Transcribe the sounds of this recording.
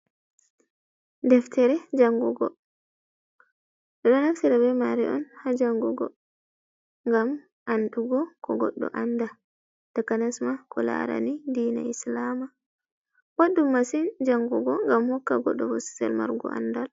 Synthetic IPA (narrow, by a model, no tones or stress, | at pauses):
dɛftɛɾɛd͡ʒaŋɡuɡɔ̰ | ɗɛɗɔnaksiɾabɛmaɾḭʔɔnhad͡ʒaŋɡuɡɔ̰ | ŋɡam | ʔanɗuɡɔkɔɡɔɗːɔ̰ʔanda | takanasmakʰɔla̰ɾa̰nidiːna̰islama | waɗːumːasind͡ʒaŋɡuɡɔŋɡamhɔkːaɡɔ̰ɗːɔvosi̥sɛ̰lma̰ɾɡɔ̰ʔa̰ndal